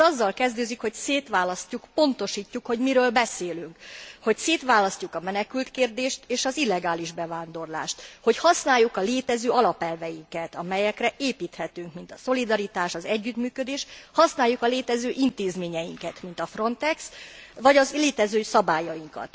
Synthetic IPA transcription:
ɒzːɒlkɛzd̪øːzikho̞cseːt̪ʋaːlɒscukpo̞nt̪o̞ʃiːcːukho̞ɟmiɾøːlbɛseːlyŋkho̞cseːt̪ʋaːlɒscukɒmɛnɛkylt̪keːrd̪eːʃt̪eːʃɒzilːɛɡaːliʒbɛvaːnd̪o̞rla̰ːʃt̪ho̞chɒsnaːjːukɒleːt̪ɛzøːɒlɒpɛlvɛjiŋkɛt̪ɒmɛjɛkrɛʔeːpiːt̪hɛt̪yŋkmint̪ɒso̞lid̪ɒɾit̪aːʃɒzɛɟːyt̪myːkød̪eːʃhɒsnaːjːukɒleːt̪ɛzøːʔint̪eːzmeːɲɛjiŋkɛt̪mint̪ɒfro̞nt̪ɛksʋɒɟɒzleːt̪ɛzøːsɒbaːjɒjiŋkɒ̰t̪

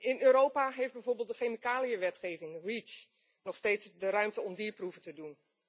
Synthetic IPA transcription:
ɪnøːɾowpaɦejfd̚bɛjvoːɹbeːlˠt̚dəχemikaːliəʋɛtχejvɪŋrit͡ʃ | nɔχsteːtsdəɾœɥmtəɔmdiːɹpruvətədun

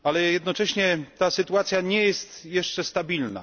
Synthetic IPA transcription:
alɛjɛd̪nɔt͡ʂɛɕɲɛt̪asɨt̪uat̪sʲjaɲɛjɛst̪jɛʂt͡ʂɛst̪abʲilna̰

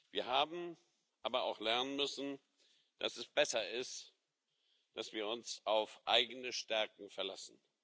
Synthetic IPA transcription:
v̥iːɐhaːbm̩ | ʔaːbɐa̰ʊxlɛɐnənmʏsn̩ | d̥a̰sɛsb̥ɛsɐɪst | d̥asv̥iːɐʊnsʔaʊfʔaɪɡənəʃtɛɐkŋ̩fɛɐlasn̩

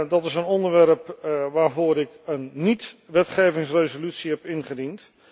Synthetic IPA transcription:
dɑtɪsənɔndəɹʋɛɹpʋaːɹvʊːɾɪkənːitʋɛtχejvɪŋsrejzolytsiɦɛpɪnχədint

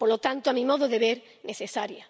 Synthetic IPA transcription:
poɾlot̪ant̪oamĩmoðoðeβeɾ | neθesaɾja

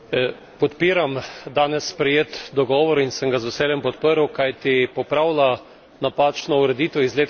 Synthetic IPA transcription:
pɔt̪piːɾamd̪aːnɛsːpɾɛjeːt̪d̪ɔɡɔːʋɔɾinsəŋɡazʊseːljɛmpɔt̪pəɾwkajt̪ipɔpɾaːwla | napaːt͡ʃnɔuɾɛd̪iːt̪ɛizleːt̪

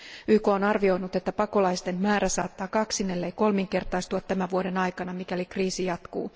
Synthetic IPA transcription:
yːko̞ːnɑrʋio̞jnut̪e̞t̪ːæpɑko̞lɑjst̪e̞mmæːɾæsɑːt̪ːɑːkɑksinelːejko̞lmiŋke̞rt̪ɑjst̪uɑt̪t̪ːæmæʋuo̞de̞nɑjkɑnɑmikælikriːsijɑt̪kṵː

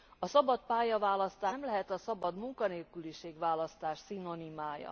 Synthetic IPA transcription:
ɒsɒbɒt̪̚paːjɒvaːlɒst̪aːmlɛɦɛt̪ɒsɒbɒd̪muŋkɒneːlkyliʃeːɡvaːlɒst̪aːʃsino̞nimaːjɒ̰

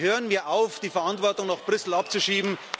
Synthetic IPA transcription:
høːʁənviːɐʔaʊfd̥iːfɛɐantv̥ɔɐtʊŋnɔχb̥ʁʏsl̩ap̚t͡suʃiːbm̩

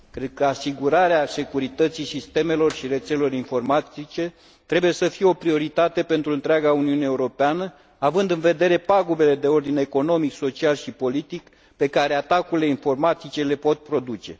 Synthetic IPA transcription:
kɾe̞d̪̥̚kəasiɡuɾaɾease̞kuɾit̪ət̪sisist̪e̞me̞lo̞rʃiɾe̞t̪selelo̞ɾinfo̞rmat̪it͡ʃe̞ | t̪ɾe̞buje̞səfije̞o̞pɾio̞ɾit̪at̪e̞pe̞nt̪ɾuɨnt̪ɾeaɡauniuneːuɾo̞peanə | avɨnd̪ɨnve̞d̪e̞ɾe̞paɡube̞le̞d̪e̞o̞rd̪ine̞ko̞no̞mikso̞t͡ʃialʃipo̞lit̪ik | pe̞kaɾe̞at̪akuɾile̞info̞rmat̪it͡ʃe̞le̞po̞t̪̚pɾo̞d̪ut͡ʃe̞̰

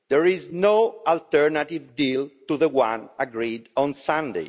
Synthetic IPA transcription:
d̪̥ɛɹiznoalt̪ɛɹnat̪ivdilt̪uðəwãnaɡɾidɔ̃nsãnd̪ḛ

